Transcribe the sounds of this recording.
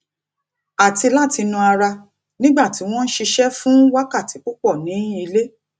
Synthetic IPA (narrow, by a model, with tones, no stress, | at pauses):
a˨ti˧la˦˨ti˧nũ˧a˧ɾa˧ | nĩ˦ɡ͡ba˦˨ti˨˦w̃ɔ̃˦n̩˦ʃi˧ʃɛ˦fũ˦wa˦ka˦˨ti˨˦k͡pu˦k͡pɔ˦˨nĩ˨˦i˧le˦